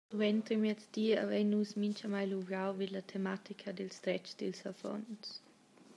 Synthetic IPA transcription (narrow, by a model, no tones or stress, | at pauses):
d̥uɛnt̪ɾmɛsd̥̪iːa̰vɛjnːusmint͡ʃamajluɡɾawvid̪lat̪ʰemat̪ikʰadɛlst̪ɾɛt͡ʃd̥̪ɛlsafɔ̰ns